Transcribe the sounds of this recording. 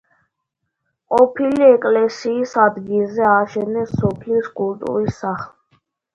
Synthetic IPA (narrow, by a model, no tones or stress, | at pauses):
qʼɔpʰiliɛkʼlɛsiːsad̪ɡilˠzɛaʃɛnɛsɔpʰliskʼult̪ʼṵɾisaχli